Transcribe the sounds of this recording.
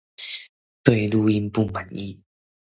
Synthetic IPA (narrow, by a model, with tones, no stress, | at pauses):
t̪we˥˧ɪlu˧i˧npu˥˧ma˨˩ni˧